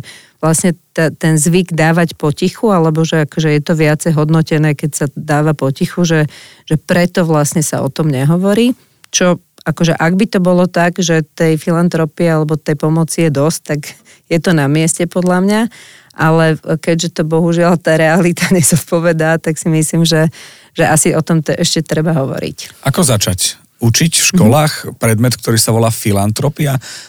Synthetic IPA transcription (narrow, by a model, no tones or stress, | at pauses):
ʋlasɲɛt̪at̪ɛnzʋiɡd̪aːʋacpɔcixualɛbɔʒɛakɔʒɛjɛt̪ɔʋɪat͡sɛjɦɔd̪nɔcɛnɛːkɛcsad̪aːʋapɔcixuʒɛ | ʒ̥ɛpɾɛt̪ɔʋlasɲɛsa̰ɔ̰t̪ɔmɲɛɦɔʋɔɾiː | t͡ʃɔ | akɔʒɛʔaɡbit̪ɔbɔlɔt̪aɡʒɛt̪ɛjfilant̪ɾɔpiɛalɛbɔt̪ɛjpɔmɔt͡sijɛd̪ɔsc̚t̪aɡ | jɛt̪ɔnamɪɛscɛpɔd̪lamɲa | ʔalɛkɛɟʒɛt̪ɔbɔɦuʒɪalt̪aːɾɛalit̪aɲɛz̥ɔt̪̚pɔʋɛd̪aːt̪aksimisliːmʒɛ | ʒ̥ɛʔasiɔt̪ɔmt̪ɔʔɛʃcɛt̪ɾɛbaɦɔʋɔ̰ɾḭcʔakɔzat͡ʃac | ut͡ʃicfʃkɔlaːxpɾɛd̪mɛt̪k̚t̪ɔɾiːsaʋɔlaːfilant̪ɾɔpia